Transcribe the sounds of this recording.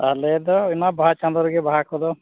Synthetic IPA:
ɦaled̪ɔimabaɦat͡ʃãnd̪ɔɾɔɡɛbaɦakʰɔd̪ɔ

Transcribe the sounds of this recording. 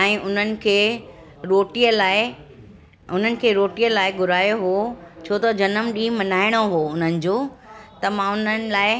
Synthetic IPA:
ɛ̃ːʔʊn̤ənɪ̆kʰeː | ɾoːʈijəlaːɪ | ʊn̤ənɪ̆kʰeːɾoːʈijəlaːɪɡʊɾaːjoɦot͡ɕʰoːt̪ɐd͡ʑɐnəmɗĩːmɐnaːɪɽ̃oɦoːʊn̤ənɪ̆d͡ʑoːt̪ɐmãʊn̤ənɪ̆laːɪ

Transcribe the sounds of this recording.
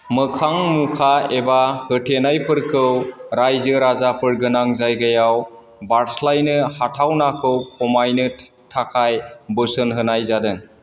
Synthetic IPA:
mɯkʰaŋmukʰaebahɯtʰenajpʰɯɾkʰɯwɾajzɯɾazapʰɯɾɡɯnaŋzajɡajaw | baɾslajnɯhatʰawnakʰɯwkʰɔmajnɯ | tʰakʰajbɯsɯnɦɯnajzadɯŋ

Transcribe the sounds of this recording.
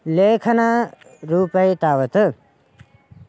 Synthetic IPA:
lekʰɐna | ɾuːpɐjt̪aːwət̪ɨ

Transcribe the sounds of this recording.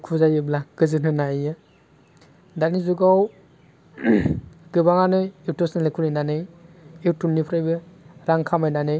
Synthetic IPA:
kʰuzajɯblaɡ̥ɯzɯnɯnajɯ | danizuɡaw | ɡ̥ɯbaŋanɯiwtosnɯlekʰulɯjnanɯjiwtunːipʰɾajbɯɾaŋkʰamajnanɯj

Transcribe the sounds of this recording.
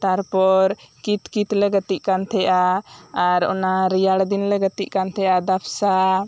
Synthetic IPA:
t̪aɾpɔɾkit̪kit̪lɛɡət̪iʔkant̪ʰɛjʔaaɾɔ̰naɾijaɽd̪inlɛɡət̪iʔkant̪ʰɛjʔad̪apʰsa

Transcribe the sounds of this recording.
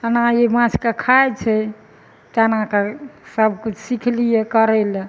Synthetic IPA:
ənɦãjemãt͡ʃʰkekʰajt͡ʃʰɛ | t̪ənɦãkesəb̚kut͡ʃʰsikʰlijekəɾɛle

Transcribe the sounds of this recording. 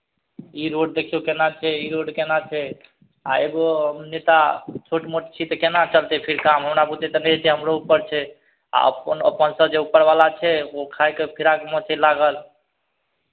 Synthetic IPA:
iɾoɖ̚d̪ekʰijokenat͡ʃʰɛiɾoɖkenat͡ʃʰɛ | aeboɦəmnet̪at͡ʃʰoʈmoʈt͡ʃʰit̪ɔkenat͡ʃəlt̪epʰiɾkamɦəmɾabut̪et̪ɔnɛd͡ʒt͡ʃʰɛɦəmɾoupːəɾt͡ʃʰɛ | a̰ə̰pənə̰pːənsəbd͡ʒeupːəɾbalat͡ʃʰɛokʰajkepʰiɾakmɔt͡ʃʰɛlaɡəl

